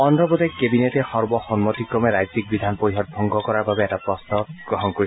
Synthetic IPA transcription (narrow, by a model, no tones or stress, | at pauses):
ɔnɹɔbɔtekebinetɛxɔɹbɔxɔnmɔt̪ikɹɔmɛɹajtik̚bid̪ʱanpoiɦɔt̚bʱɔŋɡɔkɔɹaɹbabɛɛtapɹɔstɔɡ̥ɹɔɦɔnkoɹi